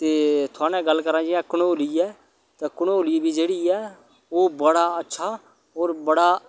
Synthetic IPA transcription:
t̪eːt̪ʰʊaːnɛ̃ːɡəlːkəɾãːd͡ʒɪɛ̃ːkʊnooːliːɛː | t̪ãːkʊɳooːliːbʱiːd͡ʒeːɽiːɛː | oːbəɽaːətːʃʰaː | oːɾbəɽaː

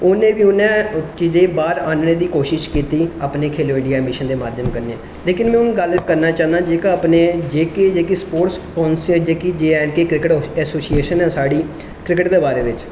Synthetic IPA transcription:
ʊnẽːʋiːʊnẽːt͡ʃiːzẽːbaːɾaːnnẽːd̪iːkoːʃɪʃkiːt̪iːaːpneːkʰeːloːɪːɖijaːɛmɪʃənd̪eːmaːd̪ʱjəmkəɾneːɛ̃ː | leːkɪnmɛ̃ːʊnɡəlkəɾnaːt͡ʃãːnd̪ãːd͡ʒeːkaːaːpneːd͡ʒeːkeːd͡ʒeːkeːspoːʈskɔ̃ːnsəd͡ʒeːkiːd͡ʒeːɛːnkeːkɾɪkəʈːɛːsoːsieːʃənɛ̃ːsaːɽiː | kɾɪkəʈd̪eːbaːɾeːʋɪt͡ʃ

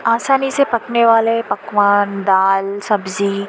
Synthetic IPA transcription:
aːsaːnisepɐkneʋaːlepɐkʋaːnd̪aːlsɐbzi

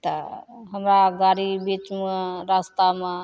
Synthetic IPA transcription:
t̪əɦəmɾaɡaɾibit͡ʃmeɾast̪ame

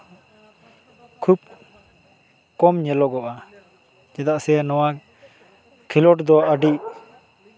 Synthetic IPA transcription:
kʰub̚ | kɔmɲɛlɔɡɔʔa | d͡ʒɛd̪aʔsɛnɔwa | kʰilɔʈd̪ɔʔaɖiʔ

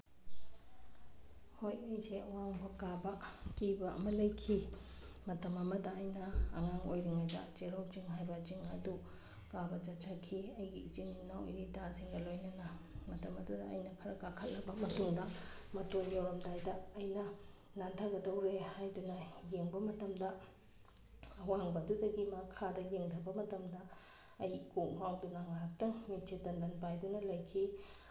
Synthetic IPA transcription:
hojɐjseɐwaŋbʰɐkabɐkibɐɐ̰mɐlɐjkʰi | mɐtɐmɐmɐdɐːjnɐ̰ːŋaŋojɾiŋajdɐ̰t͡ʃeɾɔk̚t͡ʃiŋɦajbɐt͡ʃiŋɐdu | kabɐt͡ʃɐt͡ʃʰakʰiɐjɡiit͡ʃinːinawo̰jɾidasiŋɡɐlojnɐnɐmɐtɐmɐdudɐɐ̰jnɐkʰɐɾɐkakʰɐtlɐbɐmɐtuŋdɐmɐtonjewɾɐmdajdɐːjnɐ | nantʰaɡɐdɐwɾehajdunɐjeŋbɐmɐtɐmdɐ | ɐwaŋbɐdudɐɡimakʰadɐjeŋdɐbɐmɐtɐmdɐː | jkuk̚mawdunaŋahɐk̚tɐŋmit͡ʃetɐndɐnpajdunɐlɐjkʰi

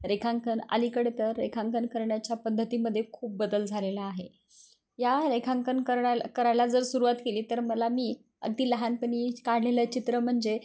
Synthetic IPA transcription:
ɾekʰaŋkəna̰likəɽet̪əɾːḛkʰãŋkənkəɾɳjat͡ɕjapəd̪ʱːət̪iːməd̪ʱːjekʰuːp̚bəd̪əld͡zʱalelaːɦe | jaɾekʰaŋkənkəɾɳakəɾajlad͡zəɾsuɾuʋat̪keliːt̪əɾməlamiː | ə̰ɡ̚d̪iːləɦanpəɳ̃iːkaɽ̤leləːt͡ɕit̪ɾəm̤əɳd͡ze

